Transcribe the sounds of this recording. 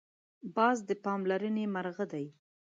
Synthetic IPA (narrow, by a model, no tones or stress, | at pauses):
bɑzd̪əpɑmlaɾənemaɾɣəd̪aj